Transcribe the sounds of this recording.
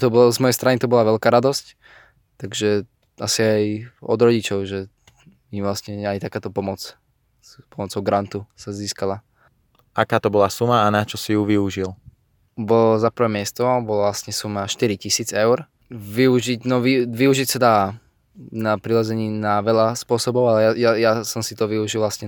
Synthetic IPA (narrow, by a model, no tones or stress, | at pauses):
t̪ɔbɔlɔzmɔjɛjst̪ɾanit̪ɔbɔlaʋɛlkaːɾad̪ɔsc | t̪aɡʒɛ | asiajɔ̰d̪ɾɔɟit͡ʃɔʊʒɛ | miʋlasɲɛajt̪akaːt̪ɔpɔmɔt͡s | pɔmɔt͡sɔʊɡɾant̪usaziːskala | akaːt̪ɔbɔlasumaːnat͡ʃɔsijuʋiuʒil | bɔlɔzapɾ̩ʋɛːmɪɛst̪ɔbɔlʋlasɲɛsumaʃt̪iɾicisiːd͡zɛʊɾ | ʋiuʒiɟnɔʋiʋiuʒicsad̪aː | napɾilazɛɲiːnaʋɛlaspʊɔsɔbɔʊalɛjajajasɔmsit̪ɔʋiuʒilˠʋlasɲɛ